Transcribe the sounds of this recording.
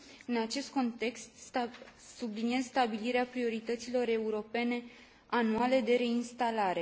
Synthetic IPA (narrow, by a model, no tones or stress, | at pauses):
ɨnat͡ʃe̞st̪̚ko̞nt̪e̞kst̪ | sublinie̞zst̪abiliɾeapɾio̞ɾit̪ət̪silo̞ɾe̞uɾo̞pe̞ne̞ | anuale̞d̪e̞ɾe̞inst̪alaɾe̞